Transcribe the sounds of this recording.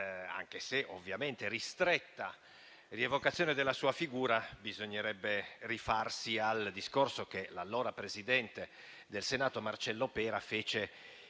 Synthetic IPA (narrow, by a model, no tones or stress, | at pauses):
a̰ŋk̟eseʔovːjament̪eɾist̪ɾɛt̪ːa | rievokat̪sːjoːned̪elːasuːafiɡuːɾabizoɲːeɾɛbːerifarsiald̪iskorsokelalːoːɾapɾezid̪ɛnt̪e | d̪elsenaːt̪omart͡ʃɛlːopɛːɾafeːt͡ʃe